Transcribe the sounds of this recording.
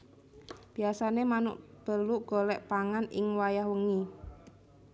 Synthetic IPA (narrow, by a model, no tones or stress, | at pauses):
b̥i̤asanemanʊ̰ʔb̥əluʔɡ̥olɛʔpaŋanʔɪ̰ŋwajaɦwəŋi